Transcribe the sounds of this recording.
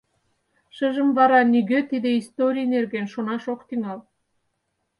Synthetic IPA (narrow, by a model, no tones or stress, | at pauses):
ʃəʒə̆mvɑɾɑniɣøt̪id̪eist̪oɾʲijnerɣenʃonɑʃokt̪yŋɑl